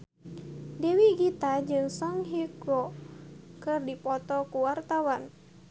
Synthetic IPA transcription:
dɛwiɡit̪ad͡ʒɨŋsɔŋɦiɡɾɔ | kɨrdipɔt̪ɔkuwart̪awan

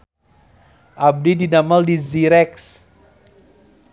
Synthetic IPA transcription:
ʔab̚didinamaldiziɾɛks

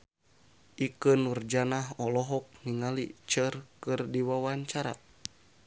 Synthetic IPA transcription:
ʔikənurd͡ʒanaɦɔlɔɦɔk̚niŋalit͡ʃərkɨrdiwawaɲt͡ʃaɾa̰

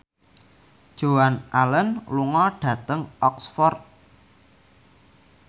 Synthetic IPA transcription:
d̥ʒ̥o̤wanʔalənluŋɔɖ̥ä̤t̪əŋɔksfɔrt̪̚

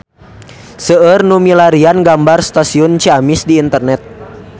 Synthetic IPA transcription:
səərnumilaɾianɡambarst̪asiɔnt͡ʃiamɪsdiːnt̪ərnɛt̪̚

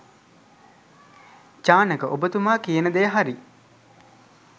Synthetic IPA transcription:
t͡ʃaːnəkəʔobət̪umaːkijənəd̪ejəɦaɾi

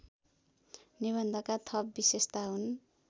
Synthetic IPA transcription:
niβʌnd̪ʱʌkat̪ʰʌp̚bisest̪aɦun

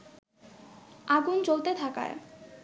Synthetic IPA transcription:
aɡunt͡ɕolt̪et̪ʰaka̰e

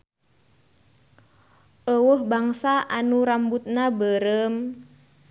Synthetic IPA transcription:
ʔəwəhbaŋsaʔanuɾambut̪̚nabəɾəm

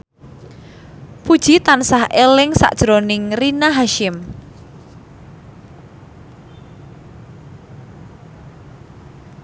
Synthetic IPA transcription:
pud̥ʒ̥it̪ansahʔelɪŋsa̰ʔd̥ʒ̥ɾonɪŋrinaɦaʃɪm

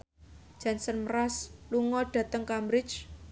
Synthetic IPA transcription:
d̥d͡ʒ̥ansənməɾasluŋɔɖ̥a̤t̪əŋkamɾɪt͡ʃ

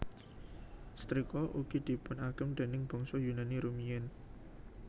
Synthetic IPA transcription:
st̪ɾikɔʔuɡ̥id̪̥i̤pʊnaɡ̥əmɖ̪̥e̤nɪŋb̥ɔ̤ŋsɔjunaniɾumijɛn

